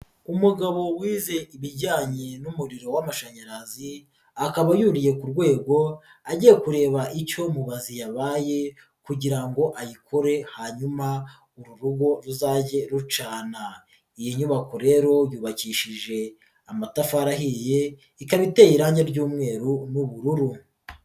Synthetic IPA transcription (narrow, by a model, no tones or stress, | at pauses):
umuɡaβo̞wiːze̞ʔiβiɾɟaːɲe̞numuɾiɾo̞wamaʃaɲaɾazi | akaβajuɾije̞kuɾɡwe̞ːɡo̞ | aɟijekuɾe̞ːβaʔico̞muβazijaβaːje̞ | kuɟiɾaŋɡo̞ʔajikʰo̞ɾe̞haːɲuma | uɾuɾuɡo̞ɾuzaɟe̞ɾut͡ʃaːna | ijiɲuβakoɾe̞ːɾo̞juːβaciʃiʒe̞ | amatafaɾaɦije̞ | ikaβiteːjiɾaːɲɟeɾɟuːmŋe̞ːɾunuβuɾuɾu